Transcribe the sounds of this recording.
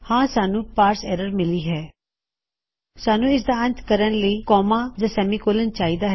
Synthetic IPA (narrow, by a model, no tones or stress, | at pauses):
hãːsaːnũːpaːɾsɛːɾəɾmɪliːɦɛː | saːnũːɪs̬d̪aːə̃nt̪kəɾənləiːkɔːmãːd͡ʒãːsɛːmiːkoːlənt͡ʃaːiːd̪aːɦ